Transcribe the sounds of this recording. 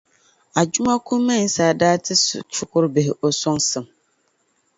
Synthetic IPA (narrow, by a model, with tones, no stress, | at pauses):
a˨d͡ʒu˦ma˦kʊ˦mɛ˦˨n̩˨saː˨daː˦tʰɪ˦st͡ʃʊ˦kʊ˦ɾbɪ˨hɪ˨ʔɔ˨sɔ˦ŋsɨ˨m